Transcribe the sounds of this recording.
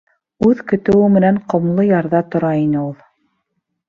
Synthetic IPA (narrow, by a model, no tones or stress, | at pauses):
ʉðkɵ̆t̪ɘ̆wɘmɘ̆næɴqŏmlˠɤjɑɾðɑt̪ŏɾɑinɘulˠ